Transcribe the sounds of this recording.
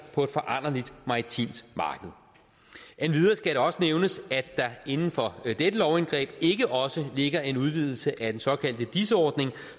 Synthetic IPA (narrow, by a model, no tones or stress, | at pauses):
pʰɒ̽e̝d̥fɒ̽ʔɑn̰ɐlid̥mɑ̈ːʁit͡sʰḭmd̥mɑ̈ːɡ̥əð̞̩ˠ | ʔenʋið̞ˠɐsɡ̥æɾeɒ̽səneʊnəsæd̥ɑ̈e̝nn̩fɒ̽d̥edəlɒʊenɡ̥ʁɛ̰ːb̥e̝ɡ̥əʔɒ̽səle̝ɡ̥ɐe̝nuðˠʋið̞ˠl̩səʔæd̥ensɒ̽kʰæl̰d̥əd̥isəɒːd̥ne̝ŋ